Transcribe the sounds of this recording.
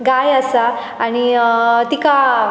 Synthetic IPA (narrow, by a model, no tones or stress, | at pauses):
ɡajəsaː | ñit̪ika